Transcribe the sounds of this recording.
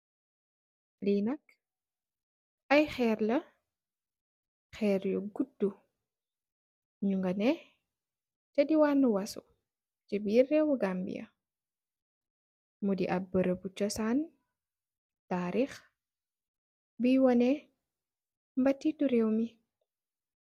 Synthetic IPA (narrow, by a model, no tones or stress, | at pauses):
liːnɐk | ɐjxɛːɾlɐ | xɛɾjuɡudːu | ɲuŋɡɐnɛ | tɛdiwaːnuwɐsṵ | t͡ʃibiːrːɛwuɡambḭjɐ̰ | mudiʔɐbəɾəbut͡ʃɔsan | taːɾiːx | bijwɔnɛ | mbɐtːituɾɛwmi